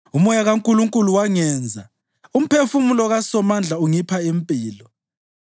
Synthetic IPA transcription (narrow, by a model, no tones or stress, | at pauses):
umɔjaɣaŋkʼuluŋkʼuluwaŋɛːnd͡zʱa | um̩pʰefumulɔɣasɔmand͡ɮʱauŋipʰaempʼiːlɔ